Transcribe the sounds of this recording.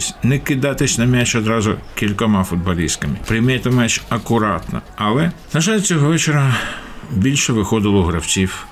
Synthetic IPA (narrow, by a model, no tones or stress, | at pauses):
sʲnɛkɪd̪ɑt̪ɪsʲnɐmʲɛt͡ʃɔd̪ɾɑzʊ̰kʲilʲkɔmɑfʊd̪̚bɐlʲist̪kɐmɪpɾɪjmɛt̪ɐmɛt͡ʃɐkʊɾɑt̪nɐ̰ɐlˠɛnɐʒɑlʲt͡sʲɔɦɔʋɛt͡ʃeɾɐ | bʲilʲʃɛʋɪxɔd̪ɪlˠɔʊɦɾɐwt͡sʲiw